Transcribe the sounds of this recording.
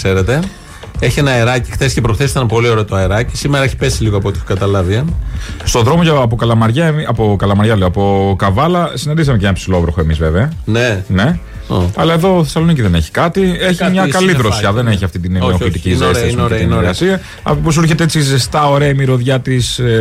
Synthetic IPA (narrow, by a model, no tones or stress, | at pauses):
se̞ɾe̞t̪e̞ | eçienɐeɾɐci̥xθescepɾofθesit̪ɐnpo̞lio̞ɾeot̪oɐeɾɐci̥simeɾɐeçi̥pesiliɣoɐpot̪ixokɐt̪ɐlɐviɐst̪o̞ðɾo̞mo̞ʝɐɐp̬okɐlɐmɐɾʝɐemɐpokɐlɐmɐɾʝɐleoɐpo̞kɐvɐlɐsined̪is̬ɐme̞cenɐpsilo̞vɾoxoe̞mizve̞veɐnene̞ | ɐlɐe̞ðo̞θesɐlo̞niciðe̞neçi̥kɐt̪ieçiimɲɐkɐliðɾosçɐðe̞neçiɐft̪it̪inoit̪icistiɐsminɾɣɐsiɐ | ɐ̰popos̬iɾçe̞t̪eet͡sizest̪ɐo̞ɾeɐimiɾo̞ðʝɐt̪is